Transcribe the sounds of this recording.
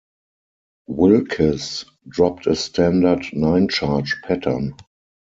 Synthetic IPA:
wɪlkʰəs | dɹɔp̚tʰəstʰæ̃ndə˞dnãɪ̃nt͡ʃat͡ʃpʰætʰə̰˞n

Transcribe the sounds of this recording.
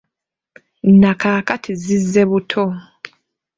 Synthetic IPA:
n̩akaːkatʰizizːe̞βutʰo

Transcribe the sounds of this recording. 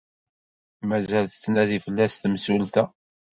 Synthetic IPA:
mæzælθə̥t͡sːnæðifəlːæst̪msult̪æ

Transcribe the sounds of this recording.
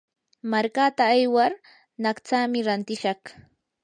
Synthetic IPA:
maɾkat̪aːjwaɾ | naχt͡saːmɪɾant̪ɪʃɑχ

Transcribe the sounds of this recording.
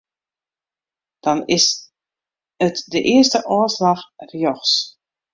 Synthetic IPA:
d̥ɔnɪs | ətdəʔɪəstəʔɔːslaxrjɔxs

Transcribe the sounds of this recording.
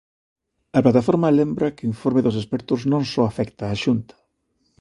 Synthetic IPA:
ɐplat̪afoɾmɐlembɾɐkeiɱfoɾmeðʊsespɛɾt̪ʊznõŋsɔafɛkt̪aːʃunt̪ɐ̥

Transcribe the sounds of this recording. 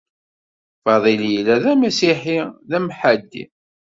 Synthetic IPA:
fɑðˤiljlæðæmæsiħiðæmħad̪ːḭ

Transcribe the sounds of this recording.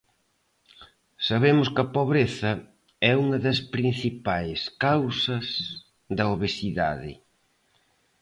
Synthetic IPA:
saβemʊskɐpoβɾeθɐ | ɛuŋɐðɐspɾin̟θipajskawsɐs | ðɐoβesiða̰ðɪ̰

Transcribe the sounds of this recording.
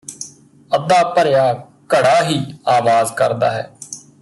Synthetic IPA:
əd̪aːpəɾɪjaː | kəɽaːɦiːaːʋaːzkəɾd̪a̰ːɦɛː

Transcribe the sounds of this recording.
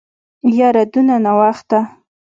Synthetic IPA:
jaɾad̪unanawaxt̪a

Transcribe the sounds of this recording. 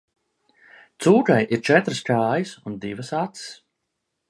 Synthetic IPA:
t̪suːɡajʔiɾt͡ʃɛt̪ɾɨskʲaːjɨsund̪ivɨsat̪ss

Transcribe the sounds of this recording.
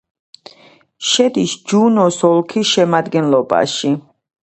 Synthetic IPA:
ʃɛd̪isd͡ʒunɔsɔlˠkʰisʃɛmad̪ɡɛnlɔba̰ʃi

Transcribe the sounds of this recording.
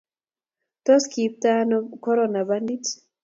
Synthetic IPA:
tɔskip̚t̪anɔkɔɾɔnabandit

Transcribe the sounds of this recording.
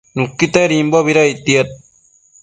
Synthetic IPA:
nukːit̪aɾimbɔbiɾait̪iɐt̪̚

